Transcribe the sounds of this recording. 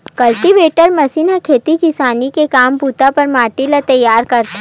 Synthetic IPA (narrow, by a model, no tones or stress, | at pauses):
kɐlʈiʋeːʈəɾmɐsinakʰeːt̪ikɪsaːnikekaːmpuːt̪apɐɾmaːʈilat̪ɐjːaːɾkɐɾt̪ː